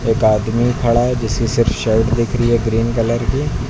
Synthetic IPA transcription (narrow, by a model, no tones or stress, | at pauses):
eːkaːd̪mikʰɐɭaɦɛd͡ʒɪskisɪɾfʰʃɛːʈd̪ɪkʰɾiɦɛɡɾiːnkələɾki